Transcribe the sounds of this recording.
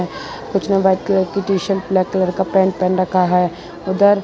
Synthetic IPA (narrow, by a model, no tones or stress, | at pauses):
ɛ | kʊt͡ʃʰneʋɛːd̪kləɾkɪʈiːʃəlplɛːkləɾkapɛ̃ːɳʈ̚pɛːnɾɐkʰaɦɛ | ʊd̪əɾ